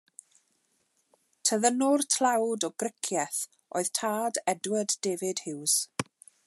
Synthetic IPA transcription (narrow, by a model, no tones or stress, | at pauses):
tʰəðənʊrtʰl̥ˠawdɔɡrɪkʰjɛθ | ʔo̰ɨð̥tʰaːdɛdwəddeːvɨd̥hɪws